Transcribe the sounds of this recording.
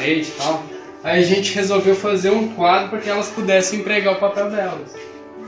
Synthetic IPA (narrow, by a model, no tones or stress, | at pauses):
ẽd͡ʒɪt̪aw | aiɐʒẽnt͡ʃɪhezowvewfazeɾũkwad̪ɾʊpɾakɪɛlɐspud̪ɛsẽj̃ẽmpɾeɡaʊpapɛwd̪ɛlɐs